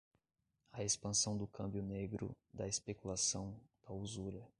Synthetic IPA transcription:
ɐespɐ̃sɐ̃w̃d̪ʊkʰɐ̃mbjʊneɡɾʊ̰ | d̪ɐespekulasɐ̃w̃d̪̥auzuɾɐ

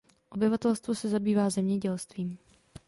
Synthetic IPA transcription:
ʔo̞bɪvat̪ɛlst̪vosɛzabiːvaːzɛmɲɛɟɛlst̪viːm

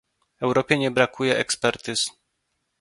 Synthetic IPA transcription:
ɛwɾɔpʲjɛɲɛbɾakʰujɛʔɛkspɛɾt̪ɘs

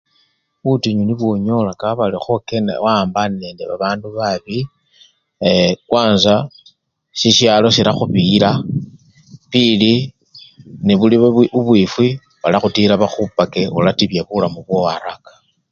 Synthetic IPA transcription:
βutiɲuniβwo̞ɲolakaβalixoken̰waːmbane̞ndeβaβaːnduβaβi | ekwaːnza | siʃjalo̞siɾaxuβila | pili | niβuliuβwifwi | βalaxutilaβaxupakeulatiβjaβulamuβwowaɾakḁ

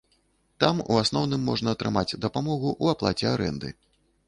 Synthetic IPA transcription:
t̪amṵasnɔwnɨmːɔʐnɐːt̪ɾɨmad͡zʲd̪ɐpamɔɣuʔuaplˠat͡sʲɛaɾɛ̰nd̪ɨ̰

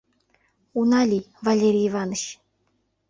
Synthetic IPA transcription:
unɑlʲivalʲeɾʲiivɑnə̆ɕ

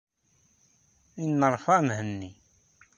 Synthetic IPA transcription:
inːəɾˤfæmhənːi

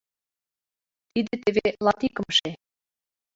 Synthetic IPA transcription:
t̪id̪ĕt̪eβelɑt̪ikɤ̆mʃe

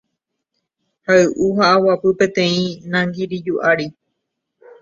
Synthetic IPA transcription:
haɨʔuɦaʔawapɨpẽ̞t̪ẽ̞ĩnãŋɡiɾid͡ʒuʔaɾi

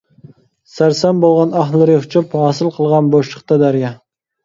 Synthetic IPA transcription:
sæɾsɛmbolˠʁɑnɑɦlˠɨɾʲhʊt͡ʃʰuphɑːsɨlˠqʰəlˠʁɑnboʃlʰə̥χt̪ɑd̪æɾjɑ

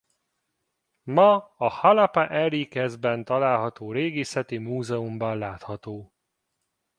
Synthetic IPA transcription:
mɒɒhɒlɒpaʔɛɾikɛzbɛnt̪ɒlaːlɦɒt̪oːɾeːɡeːsɛt̪imuːzɛumbɒnlaːt̪hɒt̪oː

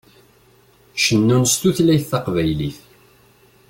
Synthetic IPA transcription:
ʃənːunst̪uθlæjθːɑqvæjliθ

